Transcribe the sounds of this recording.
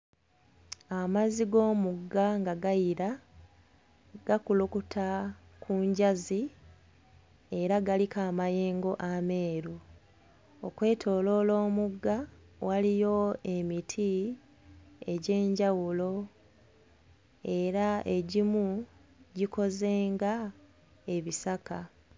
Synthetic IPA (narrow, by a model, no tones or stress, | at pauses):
amaziɡo̞ːmuɡːaŋɡaɡajiɾa | ɡ̥akulukutʰakʰuɲɟazi | e̞ɾaɡalikaːmaje̞ːŋɡo̞ʔame̞ːɾu | okwe̞ːtʰo̞ːlo̞ːlo̞ːmuɡːa | walijo̞e̞mitʰi | e̞ɟe̞ːɲɟawulo̞ | e̞ɾae̞ɟimuɟiko̞ze̞ːŋɡa | e̞βisaka